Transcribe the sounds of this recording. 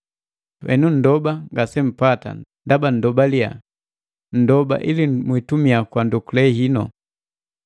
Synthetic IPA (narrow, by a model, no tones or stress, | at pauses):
wɛ̰nun̩dɔbaŋɡasɛm̩pata̰ndaban̩dɔbalia̰ | n̩dɔba̰ʔilimwitumiakwandukulɛɦinɔ̰